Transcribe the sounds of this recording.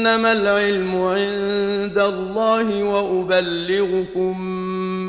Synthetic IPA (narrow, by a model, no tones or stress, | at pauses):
namalʕɪlmʊʕɪnd̪alˤːɑːɦɪwaʔʊbalːɪɣʊkʊm